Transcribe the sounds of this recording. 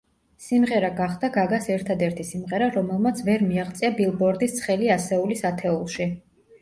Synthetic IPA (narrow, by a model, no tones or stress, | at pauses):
simʁɛɾaɡaχd̪aɡaɡasɛɾt̪ʰad̪ɛɾt̪ʰisimʁɛɾaɾɔmɛlˠmat̪sʰvɛɾmiaχt̪sʼiabilˠbɔɾd̪ist̪sʰχɛliasɛulisat̪ʰɛulˠʃi